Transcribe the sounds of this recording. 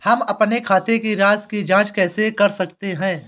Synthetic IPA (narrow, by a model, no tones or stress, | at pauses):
hɐmɐpnekʰaːt̪ekiɾaːzkid͡ʒãːt͡ʃkɛːsekɐɾsɐk̚t̪eɦɛ̃ː